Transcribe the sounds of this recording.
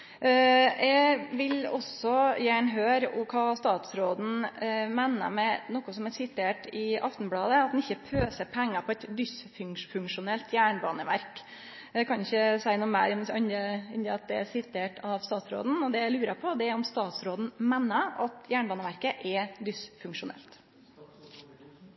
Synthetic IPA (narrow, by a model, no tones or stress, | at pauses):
ɛʋɪlɔ̰sɔjæːɳɦøːɾʊ̰mkʰɑːst̪ɑːt̪sɾoːd̪n̩meːnːə̰mɛnɔkːʊsɔmɛsɪt̪ʰeːʈɪɑft̪nblɑːd̪əɑt̪̚d̪ɛnɪçːəpʰøːsəɾpʰɛŋːɑpʰɔɛt̪d̪ʏsfʉŋfʉŋkʂʊnɛlt̪jæːɳbɑːnəʋæ̰ɾk | d̪ɛkʰɑnɪçəsæɪnuːmæɪɾɑnəɪnd̪əɑt̪̚d̪ɛæsɪt̪ʰeːʈʰɑʋst̪ɑːt̪sɾo̰ːd̪n̩ɔd̪ɛlʉːɾəpʰɔd̪ɛæɔmst̪ɑːt̪sɾoːd̪n̩mɛnːəɑt̪jæːɳbɑːnəʋæɾkəʔɛd̪ʏsfʉŋkʂʊnɛ̰lt̪